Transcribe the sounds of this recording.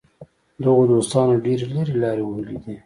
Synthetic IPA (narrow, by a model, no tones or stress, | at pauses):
d̪əɣod̪ost̪ɑnoɖeɾeləɾelɑɾewəɦəlḭd̪i